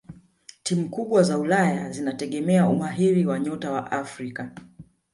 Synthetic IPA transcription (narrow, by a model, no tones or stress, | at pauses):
timukuɓwazaulajazinatɛɠɛmɛaumaɦiɾiwaɲɔtawa̰ʔafɾika